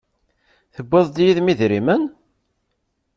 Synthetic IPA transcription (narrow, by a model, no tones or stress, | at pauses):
θəbːəðˤd̪jiðmiðɾimən